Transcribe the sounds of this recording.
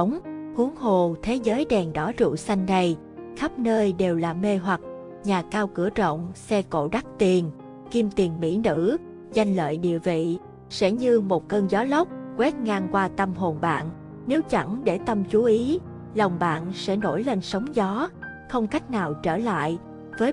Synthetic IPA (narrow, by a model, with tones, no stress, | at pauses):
wŋ͡mhu˨˦əŋɦo˨˩t̪ʰe˨˦zəː˨˦jɗɛ˨˩ŋɗɔ˨˦zṵ˧˨sa˧jŋ̟na˧˩j | xə˦˥p̚nəː˧jɗe˨˩wlaː˨˩me˧ɦwa˨˩t̚ | ɲaː˨˩kaː˧wkɨ˧˩ət͡ɕə̰˧˨wŋ͡msɛ˧ko̰˧˨ɗa˦˥k̚t̪i˨˩ən | ki˧mt̪i˨˩ənmḭ˧˥nɨ̰˧˥ | za˧jŋ̟lə̰ː˧˨jɗḭ˧˨əvḭ˧˨ | sɛ̰˧˥ɲɨ˧mo˨˩t̚kəː˧nzɔ˨˦lə˦˥wk͡p̚kwɛ˦˥t̚ŋaː˧ŋkwaː˧t̪ə˧mɦo˨˩nɓa̰ː˧˨n | ne˨˦wt͡ɕa̰˧˩ŋɗe˧˩t̪ə˧mt͡ɕu˨˦ʔi˨˦ | lə˨˩wŋ͡mɓa̰ː˧˨nsɛ̰˧˥no˧˩jle˧nsə˨˦wŋ͡mzɔ˨˦ | xə˧wŋ͡mka˦˥jk̟̚naː˨˩wt͡ɕəː˧˩la̰ː˧˨j | vəː˨˦j